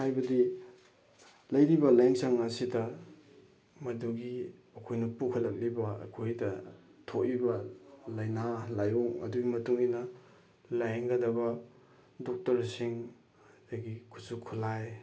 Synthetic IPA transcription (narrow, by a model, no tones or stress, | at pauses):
hajbɐdi | lɐjɾibɐlajnsɐŋɐsidɐ | mɐduɡi | ɐkʰojnɐpukʰɐlːɐk̚libɐɐ̰kʰojdɐ | tʰoʔibɐlɐjnalajuŋɐ̰duɡimɐtuŋinɐ | lajŋɡɐdɐbɐ | dok̚tɐɾsiŋ | daɡikʰu̥sukʰulaj